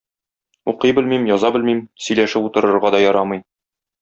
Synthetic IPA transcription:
uqɤjbɘlmimjɒzɑbɘlmimsɵ̆jlæʃɘput̪ɤ̆ɾɤ̆ɾʁɑd̪ɒjɒɾɑmɤj

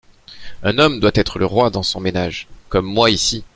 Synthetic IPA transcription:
ɛ̃nɔmd̪wat̪ɛt̪χələʁwad̪ɑ̃sɔ̃menaʒkɔmːwaisi

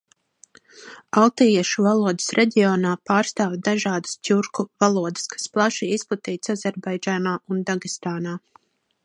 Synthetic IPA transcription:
alˠt̪ijɛʃuvalˠuɔd̪ḁsɾʔɛɟʲiɔːnaːpaːɾst̪aːwd̪aʒaːd̪ḁstʲuɾkuvalˠuɔd̪ə̥skḁsplˠaʃiisplˠat̪iːt̪sazʲɛɾbajd͡ʒaːnaːʔund̪aɡist̪aːnaː

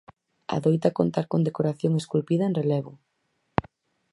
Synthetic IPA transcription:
a̰ðojt̪akont̪aɾkond̪ekoɾaθjoŋeskulpiðɐenrelɛβʊ

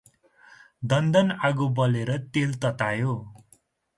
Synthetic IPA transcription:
d̪ʌnd̪ʌnaɡubʌleɾʌt̪elt̪ʌt̪ajo

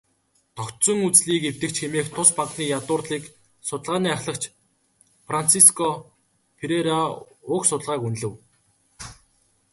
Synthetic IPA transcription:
t̪ʰɔkt̪t͡sɞ̆ŋut͡sɮiːkew̥t̪ɘ̆k̚t͡ɕxemeːxt̪ʰʊspaqniːjat̪ʊːrɮiːk | sʊt̪ə̆ɮʁaːniːaχɮə̆kt͡ɕ | fran̥t͡sʰiskʰɔ | pʰeɾeɾa | ʊːksʊt̪əɮʁaːkunɮɘ̆w

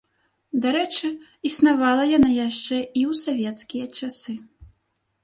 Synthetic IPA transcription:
d̪aɾɛt͡ʂɨ | isnavalˠɐjanajaʂt͡ʂɛiwsavʲɛt̪skʲijɐt͡ʂasɨ

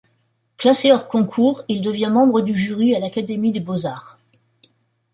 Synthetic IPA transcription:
klaseɔʁkɔ̃kʰuːʁild̪əvjɛ̃mɑ̃bʁəd̪yʒyʁialakad̪emid̪ebozaːʁ

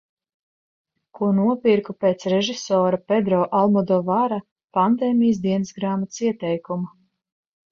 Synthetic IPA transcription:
kuɔnuɔpʲiɾkupeːt̪sɾɛʒisɔːɾapɛd̪ɾɔːʔalˠmɔd̪ɔːvaɾa | pand̪ɛːmijs̬d̪iɛnɨszɡɾaːmat̪siɛt̪ɛjkuma

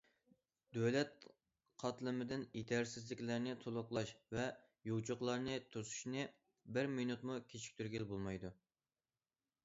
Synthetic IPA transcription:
d̪ølɛt̪̚ | qʰɑt̪lˠɨmɪd̪ɪnet̪ʰæɾsɪzlɪkʲlɪɾnɪt̪ʰolˠʊqlˠɑʃvɛ | jot͡ʃʰoqlˠɑɾnɨt̪ʰusu̥ʃnɨ | bɪɾminut̪mukʲʰet͡ʃʰi̥k̚ʲt̪ʰyɾɡʲelbolˠmɑjd̪u

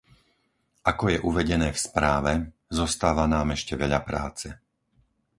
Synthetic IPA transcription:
ʔakɔjɛʔuʋɛɟɛnɛːfspɾaːʋɛ | zɔst̪aːʋanaːmɛʃcɛʋɛʎapɾa̰ːt͡sɛ

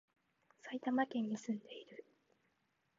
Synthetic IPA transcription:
sait̪amakẽ̞ɲ̟ːisɨ̃nd̪e̞iɾɯ̟

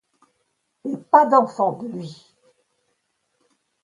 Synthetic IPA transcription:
epad̪ɑ̃fɑ̃d̪əlɥi

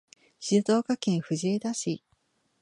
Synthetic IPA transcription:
ɕit̪o̞ːkakẽɰ̃ɸɯ̟ʑied̪aɕi

